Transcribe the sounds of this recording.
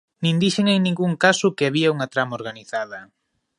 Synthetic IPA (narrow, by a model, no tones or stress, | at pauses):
nĩnd̪iʃeŋejnĩŋɡuŋkasʊkeaβiɐuŋɐt̪ɾamaoɾɣaniθaðɐ